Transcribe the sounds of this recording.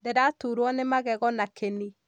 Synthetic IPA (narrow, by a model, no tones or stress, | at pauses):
dedatuːɾwɔnemaɣɛɣɔnakʰeni